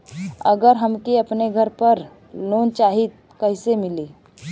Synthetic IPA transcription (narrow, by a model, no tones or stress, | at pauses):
əɡəɾɦəmkeəpneɡʱəɾpəɾ | lont͡ʃaɦit̪̚kəɦɪsemili